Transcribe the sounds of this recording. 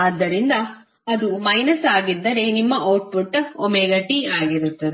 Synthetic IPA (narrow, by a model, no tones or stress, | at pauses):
ɐd̪ːɐɾind̪ɐ | ɐd̪umɐjnɐsaːɡid̪ːɐɾe̞nimːɐʔoːʈ̚puʈːomeɡɐʈiaːɡiɾut̪ːɐd̪e